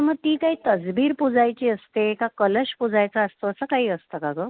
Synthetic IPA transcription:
məɡ̚t̪iːkaɦiːt̪əd͡zbiːɾpud͡zajt͡ɕiːəst̪ekakələɕpud͡zajt͡saəst̪oəsəkaɦiːəst̪əkakə

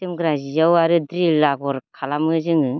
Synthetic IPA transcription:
tɯmɡɾazijawaɾɯdɾilaɡɔɾkʰalamɯzɯŋɯ

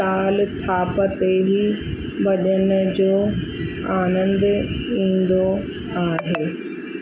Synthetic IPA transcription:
aːlt̪ʰaːpət̪eɦi | ʋɐʄənʊd͡ʑoː | aːnə̃nd̪ĩːn̆d̪o | aːɦeː

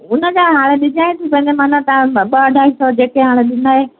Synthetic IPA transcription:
ʊnə̆d͡ʑaːɦaːɽ̃eɗɪɲaːẽt̪ʰipɐ̃ɦɲd͡ʑemanə̃t̪ãɓəɐɖʱaːɦisɔd͡ʑeːkeɦãːɽ̃eɗɪnd̪aːɦe

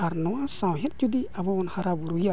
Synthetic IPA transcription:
aɾnɔwasãwɦet̪̚t͡ʃud̪iabɔɔnhaɾabuɾuja

